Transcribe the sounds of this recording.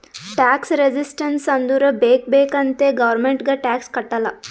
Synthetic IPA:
ʈæksɾed͡ʑisʈənsɐnd̪uɾəbek̚bekɐnt̪eɡɐʋəɾmeɳʈɡaʈækskɐʈala

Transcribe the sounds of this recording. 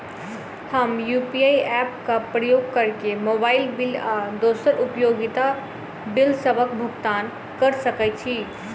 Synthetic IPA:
həmjupiajɛpkapɾəjoɡ̚kəɾkemobaɪlbilad̪osəɾʔupjoɡit̪a | bilsəbʱək̚bʱuɡt̪an | kəɾsəkɛt͡ʃʰi

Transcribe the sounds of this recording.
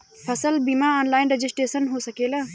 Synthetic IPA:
pʰəsəlbimaɔːnlaːɪnɾed͡ʒɪsʈeːsənɦosəkeːla

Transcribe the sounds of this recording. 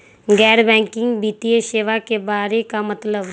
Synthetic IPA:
ɡɛːɾbɛ̃ːŋkɪ̃ŋɡbiːt̪ieʃeːʋakebaːɾekamət̪ləb

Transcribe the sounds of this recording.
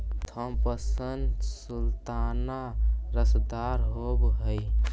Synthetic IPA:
t̪ʰəmpəsənd̪sult̪anaɾəsd̪aɾɦobɦəj

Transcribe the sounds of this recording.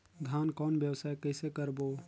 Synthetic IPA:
ɡ̪ʱaːnkɔːnbjəwsaːekəɪsekəɾboː

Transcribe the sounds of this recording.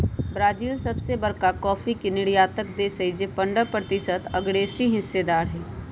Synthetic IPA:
bɾaːd͡ʒiːlsɐbsebɐɾkakɔːfʰikinɪɽjaːt̪əkd̪eːsəid͡ʒepə̃ɳɖəpɾət̪ɪʃət̪ɐɡɽeːsiɦɪsːed̪aːɾɦɛː

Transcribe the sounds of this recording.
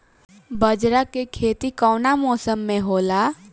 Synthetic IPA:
bəd͡ʒɾakekʰeːt̪ikɔːnamɔːsəmːẽɦoːla

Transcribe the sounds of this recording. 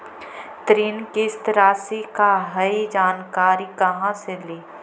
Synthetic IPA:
t̪ɾinkest̪ɾaːsekaɦɐid͡ʒaːnkaːɾikɐɦãseleː

